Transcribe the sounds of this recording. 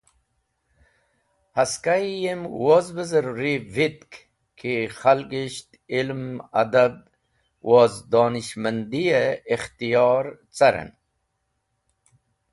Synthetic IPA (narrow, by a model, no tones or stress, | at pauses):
haskajjemwozbəzəɾɾivit̪k | kʰixalkiɕt̪ | ilma̰d̪ab̚ | wʔozd̪oːniɕmənd̪ijeːxt̪ijɑːɾt͡saɾḛn